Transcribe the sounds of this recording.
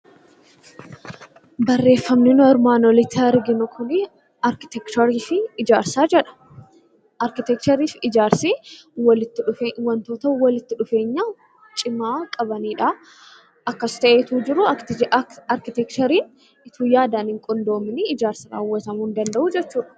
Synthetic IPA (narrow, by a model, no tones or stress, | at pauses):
bɐrːe̞ːfːɐmnɪnʊɛɾmaːnoːlɪt̪ːɪɐɾɡɪnʊkʰʊnɪ | ɐɾkɪ̥t̪ɛkt͡ʃɔɾiːfɪːd͡ʒaːɾsaːd͡ʒɛᶑɐ̥ | ʔɐɾkɪt̪ɛkt͡ʃ̪ɐɾiːfɪd͡ʒaːɾsiwɐlɪt̪ːɪᶑʊfewɐnt̪o̞ːt̪ɐwɐlɪt̪ːɪᶑʊfe̞ːɲːaː | t͡ʃʼɪmaːkʼɐbɐniːᶑa | ʔɐkːɐst̪ɐʔeːt̪uːd͡ʒɪɾʊ | ɐɾkɪt̪ɛkt̪ɐɾiːn | ɪt̪uːjaːd̪aːnhɪŋkʼɔnd̪o̞ːmɪnɪɪd͡ʒaːɾsɪɾa̰ːwːɐt̪ɐmuːnd̪ɐnd̪ɐʔud͡ʒɛt͡ʃːuːᶑɐ̥